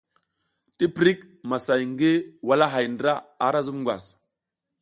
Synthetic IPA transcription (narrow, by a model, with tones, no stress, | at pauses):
ti˦pɾi˦k̚ | ma˨sa˨jŋ˦ɡe˦wa˨la˦ɦa˨jndɾa˦a˨˦ɾa˦zu˦mŋɡʷwa̰˨s